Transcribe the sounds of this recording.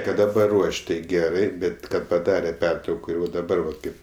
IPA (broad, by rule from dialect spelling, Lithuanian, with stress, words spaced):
ˈkɐt dɐˈbɐr ˈruɔʃʲ ˈtɐɪ ˈɡʲæːrɐɪ ˈbʲɛt ˈkɐt pɐˈdɑːrʲɛ ˈpʲɛrtrɐʊkoː ɪr ʋɐ dɐˈbɐr ʋɐt ˈkɐɪp